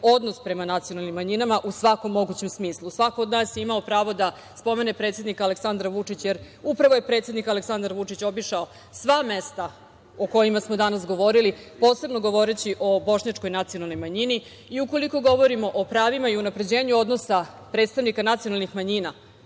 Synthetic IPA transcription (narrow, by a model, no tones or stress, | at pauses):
o̞d̪nospɾe̞manat̪sio̞nalˠnimːaɲinamaʔusʋako̞mːo̞ɡut͡ɕe̞msmiːslˠusʋako̞ːd̪naːsjeimaopɾaːʋo̞d̪a | spo̞me̞ne̞pɾe̞t̪sjed̪nikale̞ksand̪ɾaʋut͡ʂit͡ɕjeɾ | upɾaʋoje̞pɾet̪sed̪nikale̞ksand̪aɾʋut͡ʂit͡ɕo̞biʂao | sʋamest̪a | o̞ko̞jimasmo̞d̪anasɡo̞ʋo̞ɾilipo̞ːse̞bno̞ɡo̞ʋo̞ɾet͡ɕiʔo̞bo̞ʃɲat͡ʂko̞jnat̪sijonalˠno̞jmaɲini | iuko̞liko̞ɡo̞ʋo̞ɾimo̞ʔopɾaːʋimaiunapɾe̞d͡ʑe̞ːɲuo̞d̪nosa | pɾeːt̪st̪aʋnikanat̪sijo̞nalˠnixmaɲina